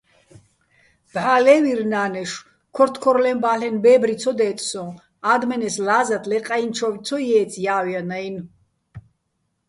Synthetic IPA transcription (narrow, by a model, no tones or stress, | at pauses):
b̥ʕaːlɛːwiɾnaːnɛʃ | kʰɔɾt̪ʰkʰɔɾlɛmbaːlɛnbɛːbɾisʰɔd̪ɛːt̪ʼsɔ̃ | ad̪mɛnɛslaːzat̪ʰlɛqʼaint͡ʃʰɔvit̪t͡s̪ʰɔjɛːt̪t͡sʰjaːwjanajn